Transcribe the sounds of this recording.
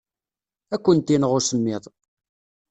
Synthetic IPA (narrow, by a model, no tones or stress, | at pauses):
ækʷːənt̪inəʁʊsəmːɪðˤ